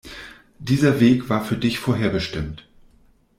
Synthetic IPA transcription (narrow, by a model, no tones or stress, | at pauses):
d̥iːzɐveːkv̥aːɐfyːɐdɪçfoːɐɦeːɐbəʃtɪmt